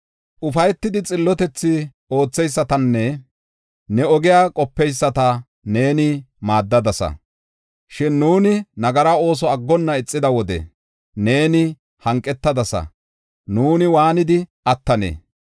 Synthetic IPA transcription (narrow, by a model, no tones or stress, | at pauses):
ʔʊfɐjɛt̪ːɪd̪ɪt͡sʼɪlːɔt̪ɛt͡sːɪ | o̞ːt͡sːɛjsːɐt̪ɐnːɛ | nɛɔɡɪjaːkʼɔpːɛjsːɐt̪ɐ | ne̞ːnɪ | maːd̪ːɐd̪ɐsɐ̰ | ʃɪnːuːnɪnɐɡɐɾao̞ːs̬ɔɐɡːɔnːɐɪt͡sʼːɪd̪ɐwɔd̪ɛ̰ | ne̞ːnɪ | hɐŋkʼːɛt̪ːɐd̪ɐsɐ̰ | nuːnɪwaːnɪd̪ɪ | ɐt̪ːɐnḛː